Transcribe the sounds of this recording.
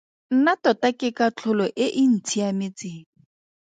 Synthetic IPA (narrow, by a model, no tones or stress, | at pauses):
n̩natɔtakɪkat͡ɬʰʊlɔʔɪʔɪn̩t͡sʰiamɪt͡sɪːŋ̩